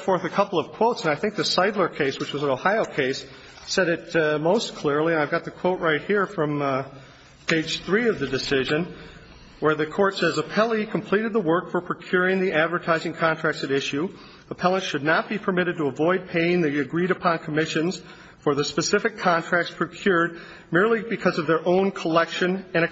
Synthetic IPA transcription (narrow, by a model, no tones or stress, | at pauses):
fɔɹθɨkʰʌpl̩ˠʌv̥kʰw̥oʊtsə̃naɪθɪ̃ŋk̚ðɨsaɪdˡlə˞kʰeɪswɨt͡ʃwʌzə̃noʊhaɪoʊkʰeɪsː | ɛɾɨt̚moʊskʰl̥ɪɹlˠiɨ̃naɪvɡɑt̪̚ðɨkʰw̥oʊʔ̚ɹaɪt̚hiɹfɹʌ̃m | pʰeɪd̥ʒ̥θɹiʌvðɨdɨsɪʒɨ̃n | wə˞ðɨkʰɔɹtsɛzəpʰɛlˠikʰm̩pʰl̥iɾɨd̪̚ðəwɜ˞kfə˞pʰɹ̥ɨkʰj̥ʊɹɪ̃ŋðiʔædvə˞tʰaɪzɪ̃ŋkʰɑ̃ntʰɹ̥æk̚tsɨɾɪʃʉ | əpʰɛlˠə̃ntʃɨdⁿnət̚b̥ipʰə˞mɪɾɨd̚təəvɔɪd̚pʰeɪɪ̃ŋðiɨɡɹiɾɨpʰɑ̃nkʰəmɪʃɨ̃nz̥ | fə˞ðɨspɨsɪfɨkʰɑ̃ntʰɹ̥æk̚tspʰɹ̥ɨkʰj̥ʊɹd̚ | mɪɹlˠibɨkʰʌzʌvðə˞ʔõʊ̃nkʰəlɛkʃɨ̃nɨ̃ñɨ